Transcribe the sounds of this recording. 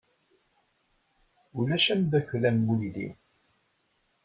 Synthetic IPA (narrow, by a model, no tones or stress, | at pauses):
ulæʃæmðæçlænmuliðḭw